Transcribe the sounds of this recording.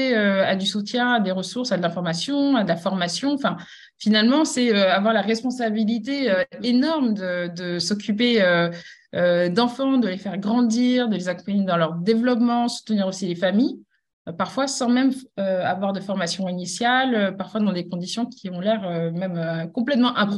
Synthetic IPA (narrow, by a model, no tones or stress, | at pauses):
eøad̪ysut̪jɛ̃ad̪eʁəsuʁsad̪əlɛ̃fɔʁmasjɔ̃ad̪əlafɔʁmasjɔ̃ɑ̃fɛ̃ | finalmɑ̃sɛøavwaʁlaʁɛspɔ̃sabilit̪eøenɔʁmd̪əd̪əsɔk̬ʲypeø | ød̪ɑ̃fɑ̃d̪əlefɛʁɡʁɑ̃d̪iʁd̪əlezakɔ̃paɲed̪ɑ̃lœʁd̪evlɔpmɑ̃su̥t̪əniʁosilefamij | paʁfwasɑ̃mɛmøa̰vwaʁd̪əfɔʁmasjɔ̃inisjaløpaʁfwad̪ɑ̃d̪ekɔ̃d̪isjɔ̃kʲʰiɔ̃lɛʁømɛmøkɔ̃plɛt̪mɑ̃ʔɛ̃p̪